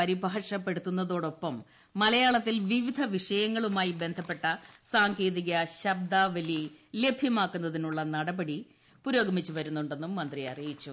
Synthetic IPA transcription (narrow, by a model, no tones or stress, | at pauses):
ɐɾibʱaːʂɐpːe̞ɽut̪ːunːɐðo̞ːɽo̞pːɐmː | ɐlɐjaːɭɐt̪ːilʋiʋid̪ʱɐʋiʂɐjɐŋːɐɭumaːjibe̞nd̪ʱɐpːe̞ʈːɐsaːŋɡe̞ːðiɣɐɕɐb̚d̪aːʋɐlile̞bʱjɐmaːkːunːɐðinuɭːɐnɐɽɐbɐɽi | puɾo̞ːɡɐmit͡ɕːuʋɐɾunːuɳɖe̞nːumːɐnd̪rijɐ̰rijit͡ɕːu